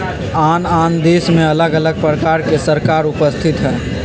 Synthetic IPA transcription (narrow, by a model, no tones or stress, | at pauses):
aːnaːnd̪eːsmẽələɡələɡ̚pɾəkaːɾkesəɾkaːɾʊpəst̪ʰɪt̪ɦɛː